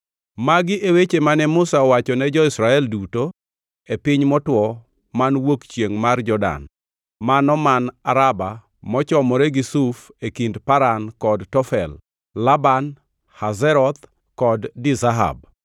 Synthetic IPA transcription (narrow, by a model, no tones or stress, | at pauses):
maɡɪʔewet͡ʃemanɛmʊsaɔwat͡ʃɔnɛd͡ʒɔɪsɾaɛlduto | epɪɲmɔtwɔ | manwokt͡ʃjeŋmard͡ʒɔda̰n | manɔmanaɾaba | mɔt͡ʃɔmɔɾɛɡisufekindpaɾankɔdtɔfɛl | laban | hazɛɾɔt̪ | kɔdːɪzaɦa̰b̚